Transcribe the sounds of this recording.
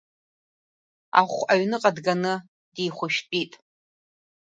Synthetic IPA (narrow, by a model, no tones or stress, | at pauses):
a̰χʷaɥnɨqʼadɡanɨ | d̥ijχʷʊʃᶣpʼitʼ